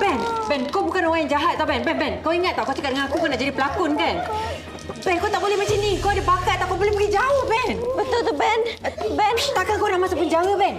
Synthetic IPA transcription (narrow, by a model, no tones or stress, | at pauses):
bɛnbɛnkobukanowaiŋd͡ʒaɦat̪̚sabɛnbɛnbɛnkawiŋat̪̚ːawkat͡ʃakaʔ̚dəŋãnakukanaʔd͡ʒadipəlakʊnkan | bɛnkot̪aʔ̚bolɛhmat͡ʃamnikodipakat̪̚t̪ːapabolɛhməɡid͡ʒaohbɛnbət̪ʊld̪əbɛnbɛnt̪akakonãʔmãsapund͡ʒawabɛn